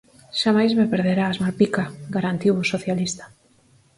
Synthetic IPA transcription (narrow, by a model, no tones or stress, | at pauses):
ʃamajzmepeɾðeɾaːzmaɾpikaɡaɾant̪iwʊsoθjalist̪ḁ